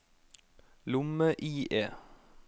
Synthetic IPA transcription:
lʊməʔiːʔeː

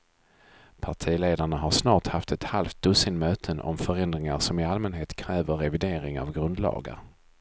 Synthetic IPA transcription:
pʰaʈʰiːleːd̪aɳaɦaɾʂnɑːʈhaft̪ɛt̪halft̪̚d̪̥ɵsɪnmøːt̪ʰənʔɔ̰mfœɾɛnd̪ɾɪŋaʂɔmɪalmɛnɦeːt̪kʰɾɛːvəɾɛvɪd̪eːɾɪŋa̰vɡɾɵnd̪lɑ̰ːɡa̰ɾ

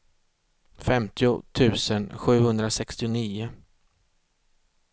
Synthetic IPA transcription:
fɛmt̪ʰɪʊt̪ʰʉ̟ːsənɧʉ̟ːhɵnd̪ɾasɛkst̪ɪʊniːʊ

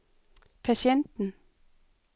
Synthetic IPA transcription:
pʰæɕjend̥n̩

